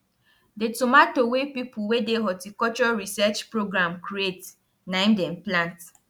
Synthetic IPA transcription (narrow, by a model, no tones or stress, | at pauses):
detumatowepipuwedeɦɔtikɔt͡ʃɔɹisɛt͡ʃpɹoɡɾãmkɾiet | naĩmdɛ̃mplãnt